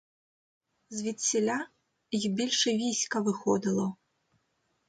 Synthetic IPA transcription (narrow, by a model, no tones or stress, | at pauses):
zʲvʲit͡sʲːɛlʲa | jixbʲɛlʲʂɨvʲisʲkɐvɨxɔd̪ɨlˠɐ